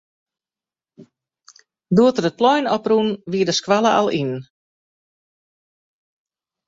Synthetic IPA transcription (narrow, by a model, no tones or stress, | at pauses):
duətərət̚plɔjnɔprunʋiədəskwaləʔa̰lˠin